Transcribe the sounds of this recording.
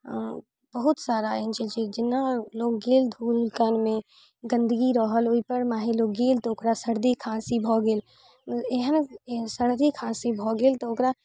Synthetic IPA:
b̥əɦʊt̪saːɾaɛnt͡ʃʰid͡ʒed͡ʒɪnːaloːɡːeːld̪ʱuːlkənmẽ | ɡə̃nd̪əɡiɾəɦəloipəɾmaːɦiloːɡeːlt̪ɔokɾasəɾd̪ikʰãːsibʱɔɡeːl | eɦənsəɾd̪ikʰãːsibʱɔɡeːlt̪ɔokɾa

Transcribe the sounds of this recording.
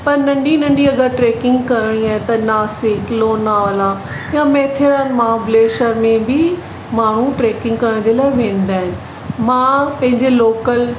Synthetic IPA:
pɐɾnɐ̃ɳɖinɐ̃ɳɖiɐɡəɾʈɾeːkɪ̃ŋɡkɐɾɪɽ̃iaːɦɪ̃t̪ɐnaːsɪkloːnːaːʋəlaː | jãːmeːt̪ʰɾəːnmãbleːʃəɾmẽbɪ | maːɳ̤uʈɾeːkɪ̃ŋɡ̚kɐɾəɽ̃d͡ʑeːlaːɪʋẽːn̆d̪aːɦɪnɪ̆ | mãːpɐ̃ɦɪ̃ɲd͡ʑeloːkəl

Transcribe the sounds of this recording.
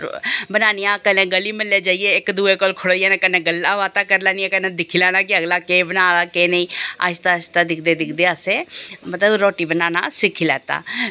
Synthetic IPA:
bənaːnijãːkənẽːɡəlːiːmɪlːeːd͡ʒaːieːɪkd̪uːeːkolkʰʊɽoːijaːneːkənẽːɡəlːaːʋaːt̪aːkəɾlaːnijãːkənẽːd̪ɪkʰiːlɛːnãːkɪəɡlaːkeːbənãːd̪aːkeːnəĩːa̰t͡ʃt̪aːst̪aːd̪ɪkʰd̪eːd̪ɪkʰd̪eːaseːmət̪ləbɾɔːʈiːbənaːnãːsɪkʰilɛːt̪a̰ː

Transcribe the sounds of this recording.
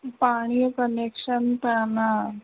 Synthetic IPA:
paɽ̃ijkənekʂənt̪ana

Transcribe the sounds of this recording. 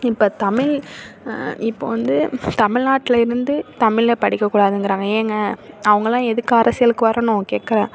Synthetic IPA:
ɪpːoːt̪ɐmɪɭ | ɪpːo̰ːʋɐnd̪ɯt̪ɐmɪɻnaːʈːɪlɐɪɾɯnd̪ɯt̪ɐmɪɭpɐɽɪkːɐkːuːɽaːðɯnŋɡɪɾãːŋɡɐeːŋɡɐɐʋɐŋɡɐlãːɛðɯkːɯɐɾɐsɪjɐlɯkːɯʋɐɾɐːnõkeːʈkːɐɾẽː

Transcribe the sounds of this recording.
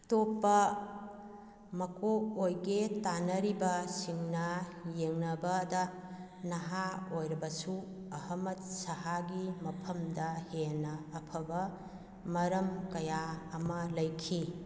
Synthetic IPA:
topːɐ | mɐkoojɡetanɐɾibɐsiŋnɐjeŋnɐbɐdɐ | nɐɦaojɾɐbɐsu | ɐhɐmɐt̚sɐɦaɡimɐpʰɐmdɐhenɐːpʰɐbɐ | mɐɾɐmkɐjaɐmɐlɐjkʰi

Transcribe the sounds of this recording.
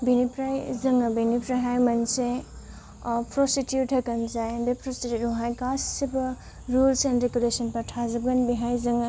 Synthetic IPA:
binipɾajzɐŋɐbinipɾaɦajmɐnse | pʰɾositjuʈʰɐkɐnzajnbepʰɾositjuʈuɦajkassibɐ | ɾulsenɾeɡulesɐnpaʈʰazɐbɡɐnbiɦajzɐŋɐ

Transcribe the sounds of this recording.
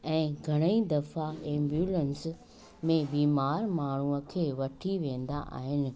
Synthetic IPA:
ɛ̃ːɡʱɐɽ̃əid̪ɐfaẽːmbjuːlens | mẽbiːmaːɾmaːɳ̤uəkʰeːʋɐʈʰiʋẽːn̆d̪a̰ʔa̰ːɦɪnɪ̆

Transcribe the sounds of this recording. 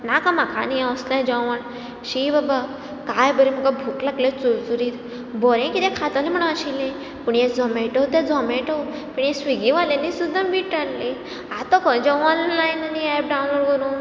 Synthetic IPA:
nakãmakʰa̰niaʋslãd͡ʑɔ̃ən | ɕibaba | kajbəɾim̤əkabʱuklaɡlet͡suɾt͡suɾiːt̪ | bɔɾẽkit̪ɛ̃kʰat̪anim̤əɽ̃aɕilẽ | puɳjẽd͡zɔmeʈɔwt̪ẽd͡zɔmẽʈɔw | puɳjẽsʋiɡĩʋalẽnisud̪ʱːambiʈːalli | at̪ɔkɔ̃d͡ʑɔwɔnlajnaniɛp̚ɖawnloɽɡəɾũːn

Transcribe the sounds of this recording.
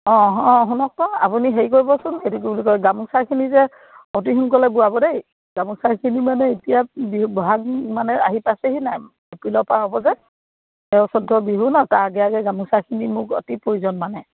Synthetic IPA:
ɔ̃ɦɔ̃ɦunɔk̚tɔa̰puniɦeikoɹibɔsʊnetuk̬ubulikɔjɡamusakʰinizɛ | ɔt̬iɦunkɔlɛbuwabɔdej | ɡamusaɹkʰinimanɛetijabiɦubɔɦaɡmanɛaɦipaseɦinaj | epɹilɔpaɦɔbɔzɛ | ɛʊsɔdʱːɔbiɦunataɹɡɛaɡɛɡamusakʰinimʊkɔ̰tipɹoɹizɔnmanɛ

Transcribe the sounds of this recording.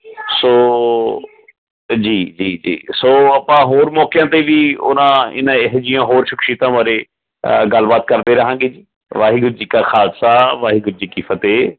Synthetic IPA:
soː | d͡ʒiːd͡ʒiːd͡ʒḭːsoːəpãːɦoːɾmɔːkɪjãːt̪eːʋiːʊ̰nãːɪ̰nãɪɦd͡ʒɪjãːɦoːɾʃɪkʰʃiːt̪ãːʋaːɾeː | ɡəlbaːt̪̚kəɾd̪eːɾəɦãːɡeːd͡ʒiː | ʋaːɦiːɡʊɾd͡ʒiːkaːxʰaːd̪saːʋaːɦiːɡʊɾd͡ʒiːkiːpʰət̪eː

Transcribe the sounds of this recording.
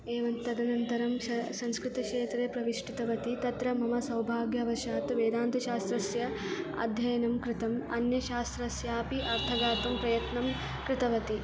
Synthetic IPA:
eːʋɐnt̪ɐd̪ɐnɐnt̪ɐɾɐmɐsɐ̃nskɾɪt̪ɐkʂeːt̪ɾeːpɾɐʋiʂʈit̪ɐʋɐt̪it̪ɐt̪ɾɐmɐmɐsɐwbʱaːɡjɐʋɐʃaːt̪ʋeːd̪aːnt̪ɐʃaːst̪ɾɐsjɐ | ɐ̰d̪ʱjɐjɐnɐmkɾɪt̪ɐmɐ̰njɐʃaːst̪ɾɐsjaːpiʔɐɾt̪ʰɐɡaːt̪ɐmpɾɐjɐt̪nɐm | kɾɪt̪ɐʋɐt̪i

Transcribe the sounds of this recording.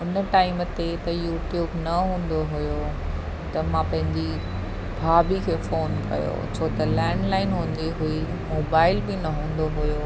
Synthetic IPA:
ʊnəʈaːɪmt̪et̪ɐjuːʈjuːbnɐɦũːn̆d̪oɦʊjo | t̪ɐmãpɐ̃ɦɪ̃ɲd͡ʑi | bʱaːbikʰeːfoːnkɐ̰jo̰t͡ɕʰoːt̪ɐlɛːɳɖlaːɪnɦũːn̆d̪iɦʊi | moːbaːɪlbɪnɐɦũːn̆d̪oɦʊjo

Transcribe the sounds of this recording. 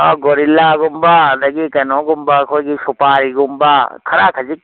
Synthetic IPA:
ɔɡoɾilːaːɡʊmbaːd̪ɐɡikɐnõːɡʊmbaːkʰoɡisupaːɾiɡʊmbaːkʰɐɾaːkʰɐd͡ʒik

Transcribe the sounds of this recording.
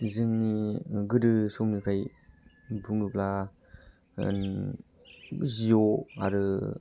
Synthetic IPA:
zɯŋniɡɯdɯsɔmnikʰaj | buŋɯpla | n | zijoa̰ɾɯ

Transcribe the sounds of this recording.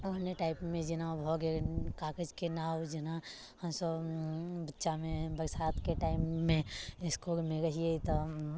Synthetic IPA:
ʊneʈaːɪpmẽd͡ʒɪnabʱɔːɡekaːkəd͡ʒkenaːwd͡ʒɪna | hɐmsəbbətːʃamẽbəɾsaːt̪keʈaːɪmːẽɪskoɾmẽɾɐɦiet̪ɔ

